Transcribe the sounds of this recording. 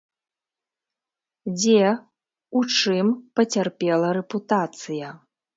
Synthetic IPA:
d͡zʲɛ | ut͡ʂɨmpɐt͡sʲarpʲɛlˠɐɾɛput̪at̪sɨjɐ

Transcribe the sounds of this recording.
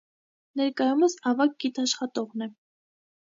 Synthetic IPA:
nɛɾkɑjuməsɑvɑk̚ɡit̪ʰɑʃχɑt̪ɔʁnɛ

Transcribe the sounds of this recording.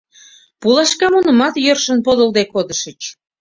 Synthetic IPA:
pulˠɑʃkɑmunə̆mɑt̪jørʃə̆npod̪ə̆lˠd̪ekod̪ə̆ʃət͡ɕ

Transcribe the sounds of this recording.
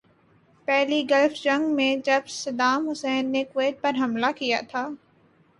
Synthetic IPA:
pɛɦliɡɐlfd͡ʒɐ̃ŋɡmẽd͡ʒɐbsɐd̪aːmɦʊsɛːnːekweːʈ̪̚pɐɾɦɐmlakija̰t̪ʰaː

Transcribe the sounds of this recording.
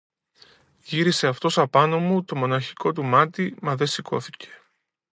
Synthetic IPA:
ʝiɾise̞ɐft̪o̞sɐpɐno̞mut̪o̞mo̞nɐçi̥ko̞t̪umɐt̪imɐðe̞siko̞̰θi̥ce̞̥

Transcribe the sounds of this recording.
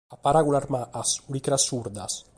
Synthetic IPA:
apaɾaɣulaɾmaʔasulikɾasuɾd̪as

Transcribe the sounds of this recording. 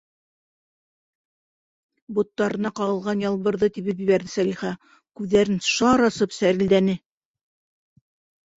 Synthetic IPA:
but̪ːɑɾɤ̆nɑqɑʁɤ̆lˠʁɑnjɑlˠβɤ̆ɾðɤt̪iβɘpjɘ̆βæɾðɘsæliχæ | kʉðːæɾɘnʃɑɾɑsɤpsæɾɘ̆ld̪ænɘ

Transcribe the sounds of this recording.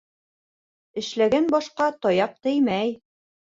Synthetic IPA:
ɘ̆ʃlæɡænbɒʃqɑt̪ɒjɑq̚t̪ɘjmæj

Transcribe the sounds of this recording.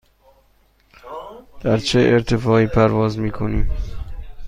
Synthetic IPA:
d̪̥æɾt͡ʃʰeʔeɾt̪ʰefɒːiːpʰæɾvɒːzmiːkʰoniːm

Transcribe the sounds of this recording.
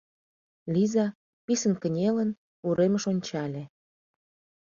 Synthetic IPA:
lʲizɑ | pisənkə̆nʲelən | uɾeməʃonʲt͡ɕɑlʲe

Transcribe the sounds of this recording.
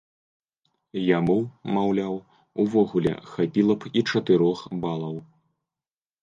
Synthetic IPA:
jamumawlʲaw | uvɔɣulʲɛ̰xapʲilˠɐpʰit͡ʂɐt̪ɨɾɔxbalˠɐw

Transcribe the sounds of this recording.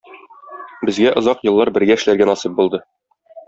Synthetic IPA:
bɘ̆zɡæʔŏzɑqjɤ̆lˠːɑɾbɘ̆ɾɡæɘ̆ʃlæɾɡænɒsip̚bulˠd̪ɤ

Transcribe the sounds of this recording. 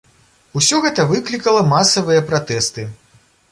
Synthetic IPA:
usʲɔɣɛt̪ɐvɨklʲikɐlˠɐmasɐvɨjɐpɾat̪ɛst̪ɨ

